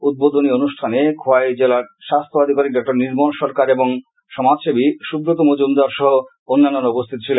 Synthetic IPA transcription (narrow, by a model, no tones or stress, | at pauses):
ud̪̚bod̪ʱonionuʃʈʰanekʰoaed͡ʑelaɾʃast̪ʰoad̪ʱikaɾik̚ɖɔk̚ʈaɾniɾmonʃɔɾkaɾeboŋ | ʃɔmad͡ʑʃebiʃubɾot̪omod͡ʑund̪aɾʃɔɦo | onːanːonupost̪ʰit̪ot͡ɕʰilen